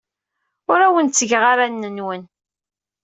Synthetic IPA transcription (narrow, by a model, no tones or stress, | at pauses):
ʊɾæwənt͡sːəʝʁaɾanːənwən